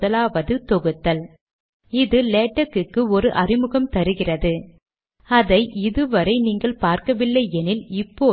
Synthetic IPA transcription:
ðɐlaːʋɐðɯt̪ɔɣɯt̪ːɐl | ɪðɯleːʈːɐkːɯkːɯɔɾɯʔɐrɪmɯɣɐmt̪ɐɾɯɣɪrɐðɯ | ɐðɐɪʔɪðɯʋɐɾɐɪniːŋɡɐɭpaːɾkɐʋɪlːɐɪɛnɪlɪpːoː

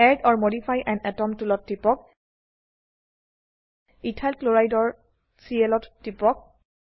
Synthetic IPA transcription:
ɛdɔɹmodipʰajʔɛndɛtɔmtulɔtːipɔk̚ | itʰalkloɹajdɔɹ | siɛlɔtːipɔk̚

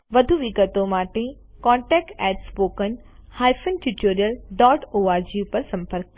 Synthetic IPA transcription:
ʋɐd̪ʱuʋɪkət̪õmaːʈʰẽ | kɔ̃ːɳʈɛːk̚ʈɛːʈspoːkənɪ̆ | haːɪfʰənʈuʈoːɾijəlɖɔːʈoːaːɾd͡ʑijupɐɾsɐ̃mpəɾk̚

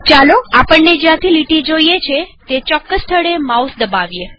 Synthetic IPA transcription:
t͡ʃaloapəɳned͡ʒeãt̪ʰiliʈid͡ʒoiet͡ʃʰet̪et͡ʃɔkːəst̪ʰəɽemausd̪əbaʋje

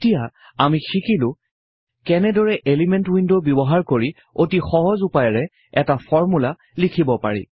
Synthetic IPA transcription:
tija | amixikilʊ̃ | kɛnɛdɔɹɛʔelimɛntwindobɔbɔɦaɹkoɹi | otixɔɦɔzupajɔɹɛ | ɛtafʰɔɹmula | likʰibɔpa̰ɹḭ

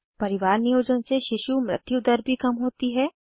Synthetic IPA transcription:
pɐɾɪʋaːɾnijoːd͡ʒənseʃɪʃumɾɪ̰t̪jud̪əɾbʱikɐmɦoːt̪iɦɛː

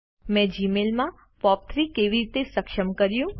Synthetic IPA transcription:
mɛ̃d͡ʒimelmã | pɔp̚t̪ʰɾikeʋiɾit̪esəkʃəmkəɾjũ

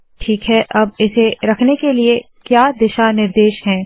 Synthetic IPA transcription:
ʈʰiːkɦɛʔɐb̚ɪseɾɐkʰnekelie | kjaːd̪ɪʃanɪɾd̪eːʃɦɛ̃ː

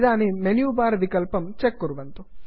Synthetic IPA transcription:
d̪aːnimenjuːbaːɾɐʋikɐlpɐmt͡ʃekːuɾuʋɐnt̪u

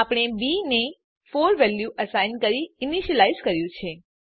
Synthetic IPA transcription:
apəɽ̃ebine | foɾʋɛljuʔəsajnkəɾiɪniʃəlaizkəɾjũt͡ʃʰe

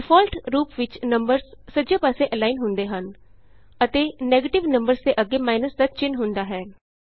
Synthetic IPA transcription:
ɪfʰɔːlʈɾuːpʋɪt͡ʃnəmbəɾzsəd͡ʒeːpaːseːʔɛlaːinɦʊnd̪eːɦən | ət̪eːnɛːɡeːʈɪʋnə̃mbəɾzd̪eːʔəɡːeːmaːɪnəsd̪at͡ʃɪnɦʊnd̪aːɦɛː

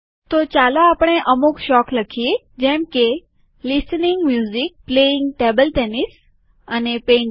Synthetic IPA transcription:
t̪ot͡ɕaːloaːpɽ̃eʔɐmukʃɔːkləkʰie | d͡ʑɛ̃ːmke | lɪsnɪŋɡmjuːzik̚pleɪŋɡʈeːbəlʈeːnis | ənepẽːɳ

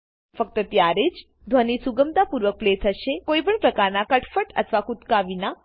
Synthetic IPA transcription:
fək̚t̪ət̪jaɾed͡ʒ | d̪ʱʋənisuɡəmt̪apuɾʋək̚plet̪ʰəʃekoipəɳpɾəkaɾnakəʈʰfəʈə̰t̪ʰʋakut̪kaʋina

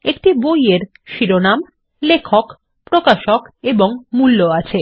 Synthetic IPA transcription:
ekʈibojeɾ | ʃiɾonam | lekʰok | pɾokaʃokeboŋmulːoat͡ɕʰe

